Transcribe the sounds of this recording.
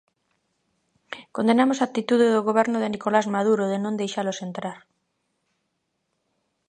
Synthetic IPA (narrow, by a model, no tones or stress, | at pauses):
kond̪enamosak̚t̪it̪uðeðoɣoβ̞ɛɾnoðenikolazmað̞uɾoðenõnd̪ejʃalosent̪ɾaɾ